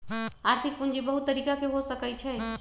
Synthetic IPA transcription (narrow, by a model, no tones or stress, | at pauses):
aɾt̪ʰik̚pund͡ʒibəɦut̪ːəɾiːkakeɦosəkət͡ʃʰɛ